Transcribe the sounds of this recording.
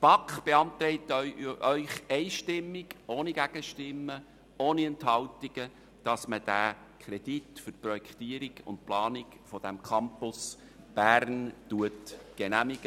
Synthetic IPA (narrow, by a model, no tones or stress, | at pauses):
b̥ɑkχb̥eɑnt̪ɾɛɪt̪ʔœʏχɛɪʃtɪmːɪɡ̥oːniɡ̥æɡ̥əʃtɪmːə | oːniɛnthɑltiɡ̥ə | d̥ɑsməd̥æ | kʰɾɛd̥itfʏrprɔjɛkʰtiəɾiɡʊ̰nt̚plɑːnɪk | fɔd̥æmkʰɑmpʊs | b̥ærntuətɡ̥ɛnæmiɡ̥ə